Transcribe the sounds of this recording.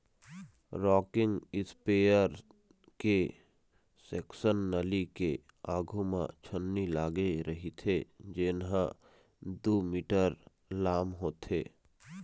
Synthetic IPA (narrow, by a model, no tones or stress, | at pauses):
ɾɔːkɪ̃ŋɡɪspeːjəɾ | ke | seːksənːəlike | aːɡʱumã̰t͡ʃʰənːilaːɡeɾɐɦit̪ʰed͡ʒɪnɦã | d̪uːmiːʈəɾ | laːmɦoːt̪ʰḛː